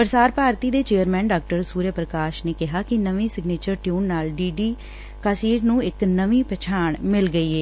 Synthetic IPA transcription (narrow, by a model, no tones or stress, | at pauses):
pəɾsaːɾpaːɾt̪iːd̪eːt͡ʃeːəɾmɛ̃ːnɖaːk̚ʈəɾsuːɾjəpɾəkaːʃneːkɪɦaːkɪnəʋĩːsɪɡneːt͡ʃəɾʈjuːnːaːlɖiːɖiː | kaːsiːʈnũːɪknəʋiːpɛːt͡ʃʰaːɳmɪlɡəiːɛː